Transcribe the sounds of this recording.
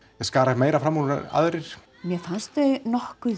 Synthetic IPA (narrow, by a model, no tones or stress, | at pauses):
jɛskaːɾaɪtmeːjɾafɾamːɔ̰a̰ðɾɪɾ̥ | mjɛfanst̪eɣnɔhkʏ